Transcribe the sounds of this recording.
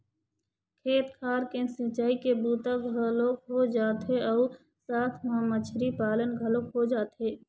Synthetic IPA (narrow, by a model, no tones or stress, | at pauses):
kʰeːt̪kʰaːɾkẽsɪt͡ʃaːikebuːt̪aɡʱəlokɦod͡ʒaːt̪ɦeɔː | saːt̪ʰmãmət͡ʃʰɾipaːlənɡʱəlokɦod͡ʒaːt̪ɦeː